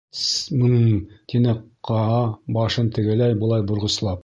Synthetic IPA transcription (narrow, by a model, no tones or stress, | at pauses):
smɤnt̪ʰinɘqqʰːɑɑbɑʃɤnt̪ɘ̆ɡɘ̆læjbŏlˠɑjbŏɾʁɤ̆slˠɑp̚